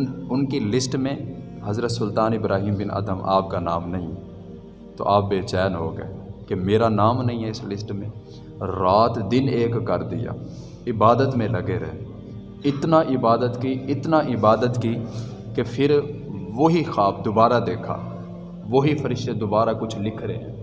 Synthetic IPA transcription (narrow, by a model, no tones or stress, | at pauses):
ʊnkilɪsʈmẽ | ɦɐzɾət̪sʊlt̪aːnɪbɾʔa̰ːɦiːmbɪna̰ːd̪əma̰ːp̚kanaːmnɐɦĩɦɛ | t̪o̰ʔaːp̚beːt͡ʃɛːnɦoːɡɐ̰ekemeːɾanaːmnɐɦĩɦɛɪslɪsʈmẽ | ɾaːt̪d̪ɪneːkːɐɾd̪ɪ̰ja̰ː | ɪbaːd̪ət̪mẽlɐɡeɾɛɦe | ɪt̪naʔɪbaːd̪ət̪kiɪt̪naʔɪbaːd̪ət̪ki | kepʰɪɾʋoɦixaːb̚ʰd̪ʊbaːɾad̪eːkʰa̰ː | ʋoɦifʰəɾɪʃt̪ed̪ʊbaːɾakʊt͡ʃʰlɪkʰɾeɦɛ̰̃ː